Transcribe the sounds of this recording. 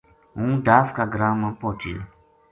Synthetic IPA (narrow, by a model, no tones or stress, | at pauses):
ũd̪askaɡɾamːãpɔtḭ